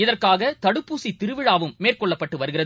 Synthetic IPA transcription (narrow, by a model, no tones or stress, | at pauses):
ɪðɐrkaːɣɐt̪ɐɽɯpːuːsit̪ɪɾɯʋɪɻaːʋɯmːeːrkɔɭːɐpːɐʈːɯʋɐɾɯɣɪrɐ